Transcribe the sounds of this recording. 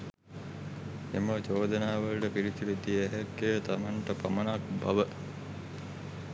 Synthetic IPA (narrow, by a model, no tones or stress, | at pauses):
emət͡ʃoːd̪ənaːʋəlʈəpiɾit̪uʋid̪iːɦɛkːet̪amaɳʈəpamənak̚ba̰ʋə